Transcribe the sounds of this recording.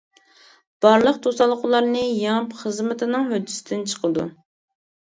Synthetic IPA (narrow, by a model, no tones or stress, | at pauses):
b̥ɑɾlˠəq̚t̪ʰosɑlˠːəqʊlˠɑɾnɨjɑŋpχəzmɪt̪ʰɪnɨŋɦød̪ːɪ̥sɪd̪ɪnt͡ʃʰə̥qʰəd̪ṵ